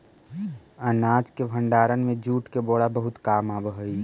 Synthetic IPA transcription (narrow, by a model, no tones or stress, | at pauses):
ənaːd͡ʒkebʱə̃ɳɖaːɾənmẽd͡ʒuːʈkeboːɽabəɦʊt̪kaːmabəɦəi